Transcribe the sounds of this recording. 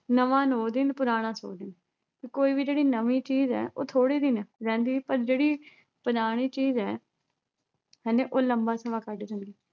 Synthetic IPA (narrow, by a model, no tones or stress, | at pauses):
nəʋãːnoːd̪ɪnpʊɾaːɽ̃ãːso̰ːd̪ɪn | kiːkoːiːbiːd͡ʒeːɽiːnəʋĩːt͡ʃiːzɛ̰ːʔo̰ːt̪ʰoːɽiːd̪ɪnɾɛ̃ːnd̪iːpəɾd͡ʒeːɽiː | pənaːɽ̃iːt͡ʃiːzɛː | ɦɛ̃ːnẽːʔoːləmbaːsəʋãːkəɖd͡ʒə̃nd̪iː